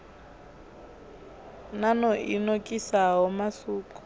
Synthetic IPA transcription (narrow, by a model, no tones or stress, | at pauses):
nanɔʔinokʼisaɦɔmasuːkʼu̥